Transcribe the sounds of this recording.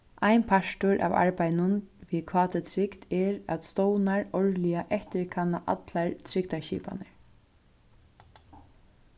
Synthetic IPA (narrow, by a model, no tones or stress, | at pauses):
ajnpʰaʂt̪ʊɹʔa̰ːva̰ɹpajnʊnvikʰvɑːt̪ət̪ʰɾɪkt̪ɛɾa̰t̪st̪ɔwnaɹɔɹliaʔɛht̪ɪɹkʰanːaʔa̰t̪laɹt̪ʰɾɪk̚t̪aʃḭːpa̰nɪ